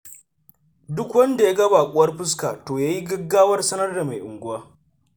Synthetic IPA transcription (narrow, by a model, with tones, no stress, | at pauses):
dʊ˦kwɐ˦nda˨ja˦ɡɐ˦ba˨kʷʼʊ˦wɐ˦rɸɪ˦s̬kaː˨toː˨jaː˦ji˦ɡɐ˦ɡːaː˦wɐ˦rsɐ˦nɐ˦rda˨ma˨jʔʊ̰˨ŋɡʷʊ˦waː˦